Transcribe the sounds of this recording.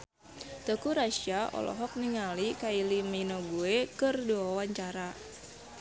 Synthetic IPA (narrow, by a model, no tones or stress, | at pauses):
t̪əkuɾaʃiaɔ̰lɔ̰ɦɔk̚niŋalikailiminoɡuekɨrduawaɲt͡ʃaɾa